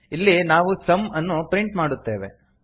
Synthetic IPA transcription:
ilːinaːʋusɐmɐnːupɾiɳʈmaːɽut̪ːe̞ːʋḛ

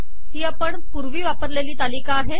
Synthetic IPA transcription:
ɦiːapəɳpuɾʋiːʋapəɾleliːt̪alikaːɦe

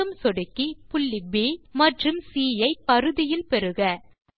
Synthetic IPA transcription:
ɯmsɔɽɯkːipʊɭːibiːmɐʈrɯmsiːjɐɪpɐɾɯðɪjɪlpɛɾɯɣɐ

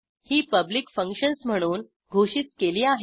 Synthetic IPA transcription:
hiːpəblikfəŋkɕənsm̤əɽ̃uːn | ɡʱoɕiːtkeliːaɦe

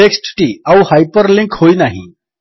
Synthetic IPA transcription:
eksʈʈiawuhajpəɾlĩŋkhoinaɦḭ̃

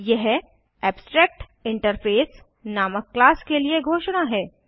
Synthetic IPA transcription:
jɛɦ | ɛːbsʈɾɛːk̚ʈ | ɪ̃ɳʈəɾfeːs | naːməkːlaːskelieɡʱoːʃɽ̃aɦɛː

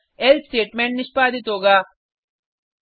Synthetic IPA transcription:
elsʈeːʈmẽːɳʈnɪʃpaːd̪ɪt̪ɦoːɡaː

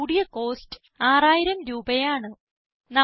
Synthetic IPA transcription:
uɽijɐko̞ːstɨ̥ | aːraːjiɾɐmɾuːbɐjaːɳɨ | nɐ

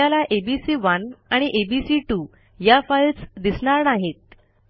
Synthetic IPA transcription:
alaʔebisiːʋənaɽ̃iʔebisiʈu | jafəjlt͡sd̪isɳaɾnaɦet̪̚

